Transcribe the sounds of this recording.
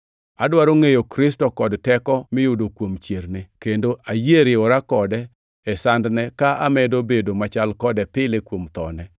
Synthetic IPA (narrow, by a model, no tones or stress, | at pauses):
adwaɾoŋejokɾɪstɔkɔdtɛkɔmɪjʊdokwomt͡ʃjeɾnɪkendoʔajeɾɪʊɾakɔdɛː | sandnɛkaʔamɛdobedomat͡ʃalkɔdɛpɪlekwomt̪ɔ̰nɛ